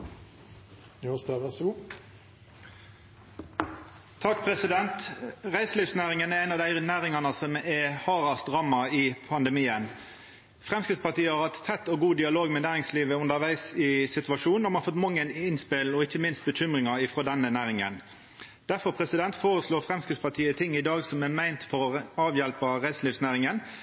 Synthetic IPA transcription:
st̪eʋæsɔɡuː | t̪ʰɑkpʰʁɛsɪd̪ɛnt̪ʁæɪsliːfsnæːʁɪŋənæʁæɪnɑʋd̪æɪnæːʁɪŋɑnəsɔmɛhɑːʁɑsd̪ʁɑːmɑiːpʰɑnd̪əmiːən | fɾɛmskəspɑt̪iːəhɑɾhɑt̪tʰːɛt̪ːɔɡuːd̪ɪɑloːɡmɛnæːɾɪŋsliːʋəʉnd̪əɾʋæɪsɪsɪt̪ʉɑʂuːnːɔmɑnɑfɔt̪ːmɑŋːənɪnspɪlɔɪçːəmɪnst̪̚bəçʏmʁɪŋɑɪfɾoːd̪ɛnːənæːɾɪŋə̰n | d̪̥æfɔɾpʰʁɛsɪd̪ɛnt̪foːɾəsluːʁfʁɛmskəspɑt̪ʰiːət̪ʰɪŋːɪd̪ɑːɡsɔmɛmæɪnt̪fɔɾɔɑːʋjɛlpəʁæɪsliːfsnæːɾɪŋən

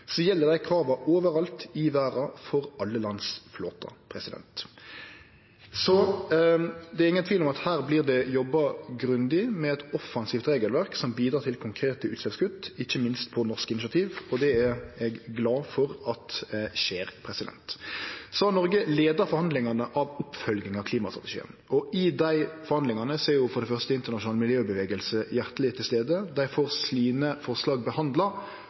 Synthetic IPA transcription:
sɔjɛlːəd̪æɪkʰɾɑːʋɑoːʋəɾɑlt̪ɪʋæːɾɑfɔɾɑlːəlɑnsflo̰ːt̪ɑ̰pʰɾɛsɪd̪ɛ̰nt̪ | sɔ | d̪ɛæɾɪŋənt̪ʰʋiːlɔmɑt̪hæːʁbliːʁd̪ɛjɔbːɑɡɾʉnd̪ɪmɛɛt̪ɔfːɑnsiːft̪ɾeːɡəlʋæʁksɔmbiːd̪ɾɑːɾt̪ʰɪlkʰʊŋkʰɾeːt̪əʉːt̪slɛfskʉt̪ːɪçːəmɪnst̪pʰɔnɔʁskəɪnɪsɑt̪ʰiːʋɔd̪ɛæɾɛɡːlɑːfɔɾɑt̪ʃeːɾpʰɾɛsɪd̪ɛ̰nt̪sɔhɑɾnɔɾɡəleːd̪ɑɾfɔɾhɑnd̪lɪŋɑnəʔɑʋʊpfœlɡɪŋɑʋkʰliːmɑst̪ɾɑt̪ɛʃḭːə̰nɔʔɪd̪æɪfɔɾhɑnd̪ɪŋɑnəseːɾjʊfɔɾd̪ɛfœʁst̪əɪnt̪əʁnɑʃʊnɑːlmɪljøːbəʋeːɡəlsəjæʁt̪əlɪt̪ʰɪlst̪eːd̪əd̪æɪfoːɾsliːnəfɔʁslɑːɡbəhɑnd̪lɑ

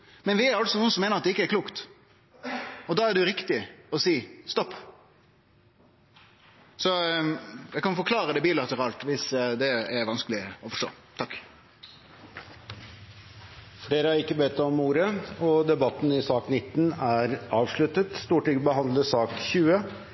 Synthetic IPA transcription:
mɛnʋɪæɾɑlt̪sɔnuːənsɔmeːnəʁɑt̪̚d̪ɛɪkːəæɾkʰluːkt̪ | ɔd̪ɑːæɖʉɾɪkt̪ɪɔsiːst̪ɔpː | sɔ | jɛkɑnfɔɾklɑːɾəd̪ɛbiːlɑt̪əɾɑːlt̪ʋɪsd̪ɛæɾʋɑnskəlɪɔfɔʂʈo̰ː | t̪ʰɑkː | fɖeːɾəæɾɪkːəbeːt̪ːɔmːuːɾəɔd̪ɛbɑt̪ːn̩ɪsɑːknɪt̪ːnæɾʔɑːʋʂɭʉt̪ət̪st̪uːʈɪɡbəhɑnd̪ləsɑːkçʉːə

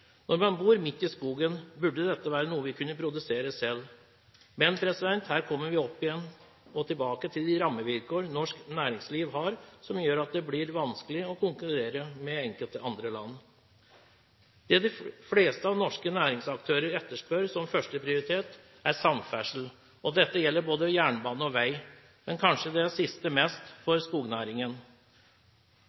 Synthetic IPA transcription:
nɔɾmɑnbuːɾmɪt̪ːɪskuːɡənbʉɖːəd̪ɛt̪ːəʋæːɾənuːəʋɪkʰʉnːəpʰɾʊd̪ʉseːɾəsɛlː | mɛnpʰɾɛsɪd̪ɛnt̪hæːɾkʰɔmːəɾʋɪɔpːɪjɛnː | ɔt̪ʰɪlbɑːkət̪ʰɪld̪ɪɾɑmːəʋɪlkoːɾnɔʂknæːɾɪŋsliːʋɦɑɾsɔmjøːɾɑt̪̚d̪ɛblɪɾʋɑnskəlɪɔkʰʊŋkʉɾeːɾəmɛɛŋkəlt̪əɑnd̪ɾəlɑ̰nː | d̪̥ɛd̪ɪfleːst̪əɑʋnɔʂkənæːɾɪŋsɑk̚t̪ʰøːɾəɾɛt̪ːəʂpœɾsɔmfœʂʈəpʰɾɪʊɾɪt̪ʰeːt̪ | æɾsɑmfæʂl̩ | ɔd̪ɛt̪ːəjɛlːəɾboːd̪əjæːɳbɑːnəɔʋæɪ | mɛnkʰɑnʂəd̪ɛæsɪst̪əmɛst̪fɔɾskuːɡnæːɾɪŋən

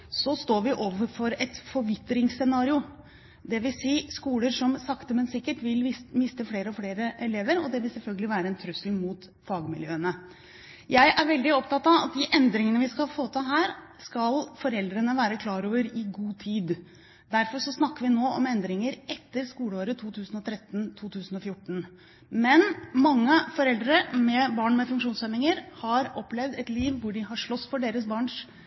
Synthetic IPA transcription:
sɔst̪oːɾʋɪʔoːʋəɾfɔɾɛt̪fɔɾʋɪt̪ːɾɪŋsːɛnɑːɾɪʊ | d̪ɛʋɪsiːskuːləɾʂɔmsɑkt̪əmɛnsɪkːəʈʋɪlmɪst̪əfleːɾəɔfleːɾəʔɛleːʋəɾɔd̪ɛʋɪlsɛlfœlɡəlɪʋæːɾəɛnt̪ʰɾʉslmuːt̪ | fɑːɡmɪljøːənə | jæɪʔæɾʋɛld̪ɪɔpt̪ɑt̪ːɑʋɑ̰t̪̚d̪ɪʔɛnd̪ɾɪŋənəʋɪskɑlfoːt̪ʰɑɦæːɾskɑlfɔɾɛld̪ɾənəʋæːɾəkʰlɑːɾoːʋəɾɪɡuːt̪ʰiːd̪ | d̪æɾfɔʂɔsnɑkːəʋɪnoːʔɔmɛnd̪ɾɪŋəɾɛt̪ːəɾskuːləoːɾət̪ʰuːt̪ʰʉːsnɔt̪ʰɾɛt̪ːn̩t̪ʰuːt̪ʰʉːsn̩ɔfjʊʈːn̩ | mɛnmɑŋːəfɔɾɛld̪ɾəɾəmɛbɑːɳmɛfʉŋkʂuːnsɛnːɪŋəɾhɑɾɔplɛʋd̪ɛt̪liːʋʋʊɖɪɦɑʂɭɔsfɔɖeːɾəsbɑːɳʂ

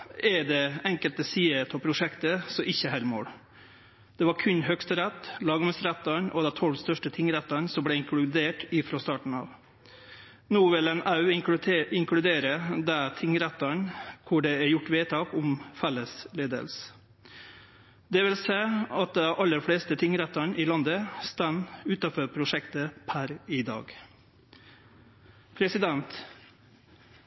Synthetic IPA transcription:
ɛɖɛɛŋkəlt̪əsiːət̪ʰɔpʰɾʊʂɛkt̪əsɔʔɪçːəɦælmo̰ːɽ | d̪̥ɛʋɑɾkʰʉnːɦœkst̪əɾɛt̪ːlɑːɡmɛsɾæt̪ːɑɳʔɔd̪ɛt̪ʰɔlːst̪œʂʈət̪ʰɪŋːɾæt̪ːɑɳsɔmblɛɪŋkʰlʉd̪eːʈɪfɾɔst̪ɑːʈɳ̩ɑ̰ːʋ | nuːʋɪlɛnɑʉɪŋkɽʉd̪eːɾəd̪ɛt̪ʰɪŋːɾæt̪ːɑɳkʰʊɖɛæɾjʊʈːʋeːt̪ʰɑːkʊmfɛlːəsleːd̪ə̰ls | d̪ɛʋɪlseːɑt̪̚d̪ɛʔɑlːəɾfɽeːst̪ət̪ʰɪŋːɾɛt̪ːɑɳʔɪːlɑnd̪əst̪ænːʉːt̪ɑfɔɾpʰɾʊʂɛkt̪əpʰæɾɪd̪ɑ̰ːɡ | pʰɾɛsɪd̪ɛnt̪

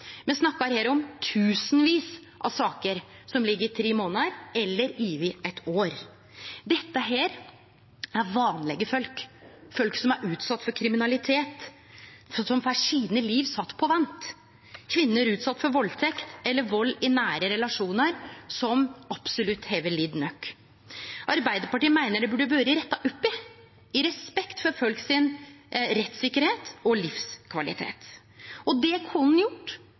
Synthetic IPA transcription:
mɛnsnɑkːɑɾheːɾɔmt̪ʰʉːsnʋiːs | ʔɑ̰ʋsɑːkəɾsɔmlɪɡːəɾɪt̪ʰɾeːmoːnɑɾɛlːəɾiːʋɪɛt̪ʰoːɾ | d̪ɛt̪ːəɦeːɾ | æɾʋɑːnlɛɡəfœlkfœlksɔmæɾʉːt̪sɑt̪ːfɔɾkʰɾɪmɪnɑlɪt̪ʰeːt̪ | sɔmfæʂiːnəliːʋsɑt̪ːpʰɔʋɑnt̪ | kʰʋɪnːəæɾʉːt̪sɑt̪ːfɔɾʋɔlt̪ʰɛkt̪ɛlːəɾʋɔlːɪnæːɾəɾɛlɑʂuːnəɾsɔmɑb̥sʊlʉt̪heːʋəlid̪nœkː | ʔɑɾbæɪd̪əɾpɑʈiːəmæɪnəɖɛbʉɖəbøːɾəɾɛt̪ːɑʔʊpːɪ | ɪɾɛspɛkt̪fɔɾfœlksɪnɾɛt̪sɪkːəɾheːt̪ɔlɪfskʰʋɑlɪ̰t̪ʰḛːt̪ | ɔd̪ɛkʰʊnːjʊʈː

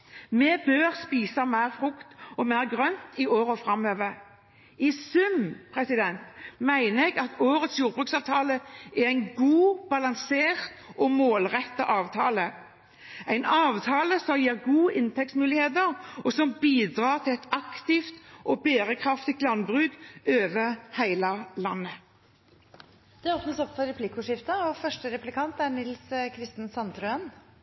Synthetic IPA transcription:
mɛbøːʁspiːsɑmæɪʁfʁʊkt̪ɔmæɪʁɡʁœnt̪ʰɪʔoːɾɔfʁɑmøːʋəʁ | ɪsʉmpʰʁɛsɪd̪ɛnt̪mæɪnəɛɡɑt̪oːɾət̪sjuːʁbʁʉːksɑːʋt̪ʰɑːləɛʁæɪnɡuːb̥ɑlɑŋseːʁt̪ʔɔmoːlʁɛt̪ːɑʔɑːʋt̪ʰɑːlə | æɪnɑːʋt̪ʰɑːləsɔmjiːʁɡuːʔɪnt̪ʰɛksmʉːlɪheːd̪əʁɔsɔmbiːd̪ʁɑːʁt̪ʰɪlɛt̪ɑkt̪ɪft̪ʔɔbeːɾəkʰʁɑft̪ɪt̪lɑnbʁʉːd̪øːʋəhæɪlɑlɑnːə | d̪̥ɛoːpnəsɔpfɔɾɛpʰlɪkʊʂɪft̪ɑɔfœʂʈəɾɛplɪkʰɑnt̪æɾɳɪlskʰɾɪst̪ən̩sɑnt̪ɾʉən

